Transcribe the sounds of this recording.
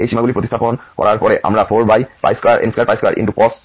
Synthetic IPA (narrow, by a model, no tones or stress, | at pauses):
ejsimaɡulipɹot̪ist̪ʰapɔnkɔ̰ɹaɹpɔɹɛʔa̰mɹapʰoɹbajpa̰jskɔaɹʔḛnskapajskɔɹa̰ɹʔḭntupɔs